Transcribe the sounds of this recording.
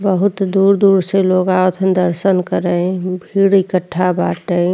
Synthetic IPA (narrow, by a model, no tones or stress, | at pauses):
bəɦʊt̪d̪uːɾd̪uːɾseloːɡaot̪ʰd̪əɾsənkəɾəbʱiːɽikəʈʰːabaʈə